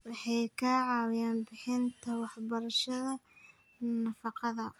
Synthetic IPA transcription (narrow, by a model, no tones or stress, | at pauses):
wɑħɑjkʰɐʕɑːwɪjaːnbɪħɪnt̪ʰɐwɑħbɐɾɐʃɐðɐ | nɐfɑqɑðɐ